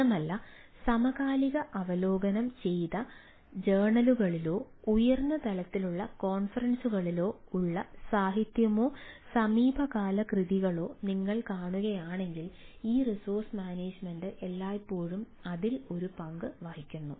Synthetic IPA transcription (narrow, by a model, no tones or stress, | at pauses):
ɐmɐlːɐ | sɐmɐɣaːliɣɐʔɐʋɐlo̞ːɡɐnɐmt͡ɕe̞jðɐ | d͡ʑeːɳɐluɣɐɭilo̞ː | ujɐrnːɐt̪ɐlɐt̪ːiluɭːɐko̞ːnfɐrɐnsuɣɐɭilo̞ːuɭːɐsaːɦit̪jɐmo̞ːsɐmiːbʱɐɣaːlɐkriðiɣɐɭo̞ːniŋːɐɭkaːɳuɣɐjaːɳe̞ŋɡiliːrisoːrsmaːneːd͡ʑmenɖɨʔe̞lːaːjpːo̞ːɻum | ɐðilo̞ɾupɐŋɡɨʋaːhikʲːunːu